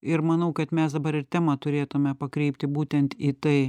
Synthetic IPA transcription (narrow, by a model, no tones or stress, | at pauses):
ɪɾmɐnɐʊkɐt̪mʲɛsd̪ɐbɐɾɪrt̪ʲæmɐt̪ʊɾʲeːt̪ʊmʲɛpɐkɾʲɛɪpʲt̪ʲɪbuːt̪ʲɛnt̪iːt̪ɐɪ